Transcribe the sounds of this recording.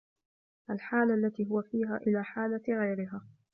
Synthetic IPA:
ʔalħaːlaʔlːat̪iːɦʊwafiːɦa̰ːʔɪlaːħaːlaɣajɾɪɦaː

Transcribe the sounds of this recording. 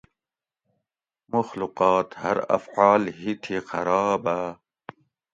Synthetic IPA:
mʊxluqɑːt̪hɐ̰ɾɐ̰fʕaːlhit̪ʰixɐɾɑːba

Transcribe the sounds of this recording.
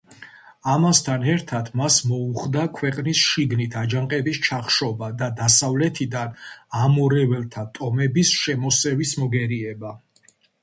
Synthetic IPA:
amast̪ʰanɛɾt̪ʰat̪ʰmasmɔuχd̪akʰwɛqʼnisʃiɡnit̪ʰad͡ʒaŋqʼɛbist͡ʃʰaχʃɔbad̪ad̪asavlɛt̪ʰid̪anamɔɾɛvɛlt̪ʰat̪ʼɔmɛbisʃɛmɔsɛvismɔɡɛɾiɛba

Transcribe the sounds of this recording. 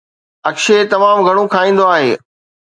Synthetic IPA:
ɐkʃet̪ɐmaːmɡʱɐɽ̃õkʰaːĩːn̆d̪oaːɦeː

